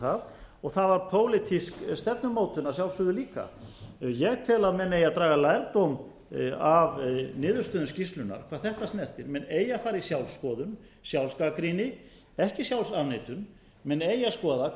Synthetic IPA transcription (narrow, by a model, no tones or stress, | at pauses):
avɔɣθavaɾpʰoːwlɪt̪ʰiskst̪ɛp̚nʏmːoːwt̪ʏnas̬jawlsʏðɪliːka̰jɛɣt̪ʰɪlaðmɛneːjaðt̪ɾaːɣalajɾt̪owm | avnɪːðʏɾ̥st̪ʏðʏscist̪lʏna̰ɾ̥kʰvaːðθɛht̪ast̪nɛr̥t̪ɪɾmɛneːjafaːɾɪisjawlsːkɔːðʏn | sjawlskakɾiːnɪ | ɛhcɪsjawlsavnɪːt̪ʏn | mɛnejaskɔːða